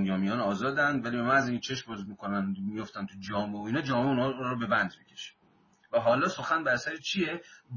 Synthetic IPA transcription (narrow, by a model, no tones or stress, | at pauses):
njɒːmijɒːnɒːzɒːd̪ænd̪væliːbemænæziːŋʰet͡ʃʰe̞ʃmbɒzmiːkʰonænmijoft̪ænt̪ʰud͡ʒɒːmeoiːnɒːd͡ʒɒːmeunhɒːɾobe̞bænd̪micʰeʃe̥ | væɦɒːlɒːso̞xænbæɾæsæɾit͡ʃʰijeb